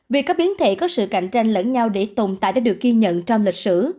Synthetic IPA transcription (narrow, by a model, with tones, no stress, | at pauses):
vi˨˩kːa˨˦˥ɓi˨˦ənt̪ʰḛ˧˨kɔ˨˦sɨ̰˧˨ka̰˧˨jŋ̟t͡ɕa˧jŋ̟lə˧˥nɲa˧wɗe˧˩t̪o˨˩ŋ͡mt̪a̰ː˧˨jɗaː˧˦ɗɨ˨˩ək̚ːɣi˧ɲə̰˧˨nt͡ɕɔ˧wŋ͡mlï˨˩k̟̚sɨ˧˩